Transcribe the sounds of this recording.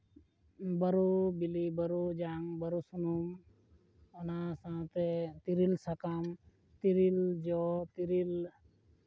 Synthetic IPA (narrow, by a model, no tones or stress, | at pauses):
bəɾubilibəɾud͡ʒaŋbəɾusunum | ɔnasãt̪et̪iɾilsakam | t̪iɾild͡ʒɔt̪iɾil